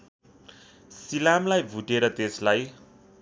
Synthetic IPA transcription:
silamlajbʱuʈeɾʌt̪eslaj

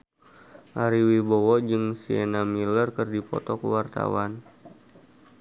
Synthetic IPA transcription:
ʔaɾiwibowɔd͡ʒɨŋsienamilərkɨrdipɔ̰t̪ɔkəwart̪a̰wan

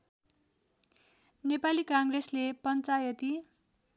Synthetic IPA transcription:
nepalikaŋɡreslepʌnt͡sajʌt̪i

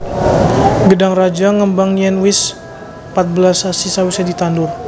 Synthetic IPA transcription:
ɡədaŋrad͡ʒaŋəmbaŋjɛnwɪs | pat̪̚bəlasasisawisadit̪andʊr

